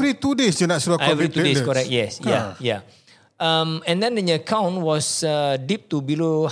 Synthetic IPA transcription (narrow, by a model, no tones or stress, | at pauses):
ɾit̪udesjunat̚suɾaɛvit̪udeskɔɾɛk̚t̚jɛsjaja | ʔamɛ̃ndɛ̃ndɛ̃nəkʰãw̃nwɔsadip̚t̪ubilo